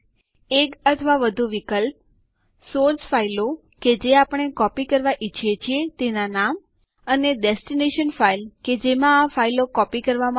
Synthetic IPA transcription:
ekət̪ʰəʋaʋəd̪ʱuʋikəlp̚ | soɾsfailo | ked͡ʒeapəɳekɔpikəɾʋaʔit͡ʃʰijet͡ʃʰiet̪enanam | əneɖesʈineʃənfailked͡ʒemãːfailokɔpikəɾʋamã

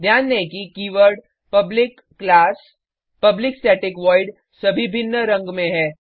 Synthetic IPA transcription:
d̪ʱjaːnːekikiːʋəɾɖ | pɐblɪkː | laːs | pɐblɪksʈɛːʈɪkʋɔːɪɖ | sɐbʱibʱɪnːəɾɐ̃ŋɡmẽɦɛː

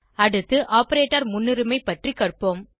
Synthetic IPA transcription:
ɐɽɯt̪ːɯʔaːpɐɾeːʈːɐɾmʊnːɪɾɯmɐɪpːɐʈrikɐrpom

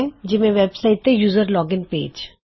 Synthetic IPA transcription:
d͡ʒɪmẽʋɛbsaːɪʈ̪ːɛjuːzəɾlɔːɡɪnpḛːd͡ʒ

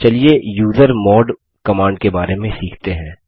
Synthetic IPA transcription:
t͡ʃɐliejuːzəɾmɔːɖ | kɐmãːɳɖ̚kebaːɾemẽsiːkʰt̪eɦɛ̃ː

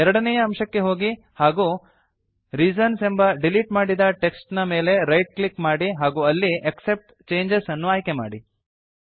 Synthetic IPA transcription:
ɛɾɐɽɐnɛjɐːmʃɐkːe̞ɦo̞ːɡi | haːɡuː | ɾid͡ʒɐnsembɐɖiliʈmaːɽid̪ɐʈe̞ksʈnɐme̞ːle̞ɾɐjʈ̚klikmaːɽiɦaːɡuːɐlːiʔɐkse̞p̚ʈ | t͡ʃe̞ːɲd͡ʒesɐnːuaːjkema̰ːɽi

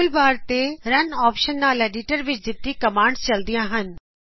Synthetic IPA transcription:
lbaːɾt̪eɾɐnɔːpʃənd̪ãːlɛːɖiːʈəɾʋɪt͡ɕd͡ʑɪt̪ːikɐmãːɳɖst͡ɕɐld̪ijãɦənɪ̆

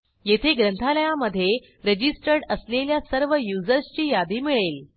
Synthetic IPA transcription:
jet̪ʰeɡɾənt̪ʰaləjaməd̪ʱːje | ɾəd͡ʑisʈəɾɽəsleljasəɾʋəjud͡zəɾst͡ɕiːjad̪iːmiɭel

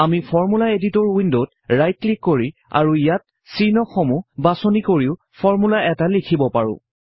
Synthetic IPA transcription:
amipʰɔɹmulaeditɔɹwindot | ɹajt̚klikːoɹia̰ɹuijat̚ | sinɔkxomubasonikoɹiʊ | pʰɔɹmulaɛtalikʰibɔpaɹʊ̰̃

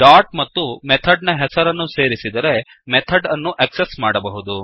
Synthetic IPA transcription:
ɖaːɾʈ̚mɐt̪ːumet̪ʰɐɖnɐɦɛsɐɾɐnːuse̞ːɾisid̪ɐɾe̞ | mɛt̪ʰɐɖɐnːuʔɐksesmaːɽɐbɐɦud̪u

